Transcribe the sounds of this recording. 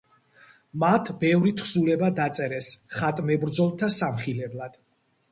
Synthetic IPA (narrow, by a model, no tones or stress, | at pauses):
mat̪ʰbɛvɾit̪ʰχsulɛbad̪at̪sʼɛɾɛsχat̪ʼmɛbɾd̪zɔlˠt̪ʰasamχilɛblˠad̪̥